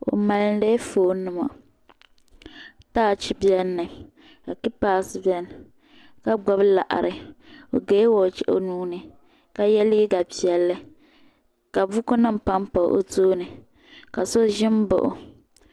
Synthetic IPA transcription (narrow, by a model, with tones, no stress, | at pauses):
o̰˨ma˨ln˦de˦foː˨˦nɨ˦ma̰˨ | taː˦˨t͡ʃi˦bjɛ˦nːɨ˨ | ka˨ki˦paː˦sɨ˦bɛ˦n˨ | ka˦ɡ͡bɔ˦bla̰˨ʔa̰˨ɾɨ˨o˨ɡeː˦wɔː˨t͡ʃɛ̰˦ʔo̰˦nuː˦nɨ˨ | ka˦jɛ˦li˦ɡa˨pi˨ɛ˨lːɨ˦ | ka˨vʊ˦ko˦nɨ˦m̩˨pa˦m˦pa̰˨˦ʔo̰˦toː˦nɨ˨ | ka˨so˦ʒɪ˦m˦bo̰˨ʔʊ̰˨